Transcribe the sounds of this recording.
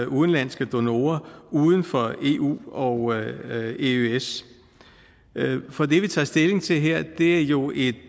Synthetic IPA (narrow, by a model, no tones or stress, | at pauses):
uðˠn̩læn̰sɡ̥əd̥o̝no̝ːɐuːð̞ˠən̩fɒ̽e̝̰ːʔṵːɒ̽ | eøes | fɒ̽d̥e̝ʋit͡sʰɑ̰̈ːsd̥e̝le̝ŋt͡sʰe̝lɦeɐ̰d̥e̝æɐjo̝e̝d̥